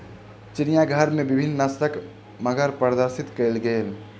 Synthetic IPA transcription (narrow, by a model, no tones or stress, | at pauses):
t͡ʃɪnijaɡʱəɾmẽbɪbʱinːnəst̪ək | məɡʱəɾpəɾd̪əɾsɪt̪kəelɡəel